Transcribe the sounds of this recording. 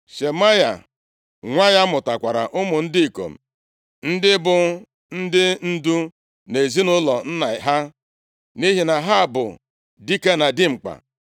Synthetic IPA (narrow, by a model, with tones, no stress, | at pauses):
ʃe˨ma˦ja̰˨ | ŋʷa˦ja˦mʊ˨ta˨kʷa˨ɾa̰˨ʔʊ˦mʊ˨n̩˦dɪ˦i˨ko̰˨m̩˨ | n̩˦dɪ˦bʊ˨ | n̩˦dɪ˦n̩˦du˦ | ne˨zi˦nʊ˦lɔ˨n̩˦na˨ɦa˦ | ni˦ɦi˨na˨ɦa˦˨bʊ̰˨ | di˦ke˦na˨dɪ˦ŋ͡m̩˨k͡pa̰˨